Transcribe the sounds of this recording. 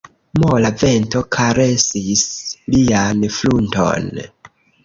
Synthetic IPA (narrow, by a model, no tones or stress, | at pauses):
molave̞nto̞kʰaɾe̞sislianflunto̞̰n